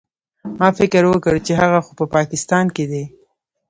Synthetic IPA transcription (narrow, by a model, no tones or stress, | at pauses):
mɑfɪkəɾwəkəɽt͡ʃeɦaɣaxopəpɑkɪst̪ɑnked̪e